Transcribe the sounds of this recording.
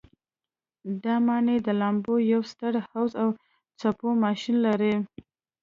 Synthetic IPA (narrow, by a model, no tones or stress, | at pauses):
d̪ɑmɑɳed̪əlambojawst̪əɽhawzaw | t͡sapomɑʃinlaɾe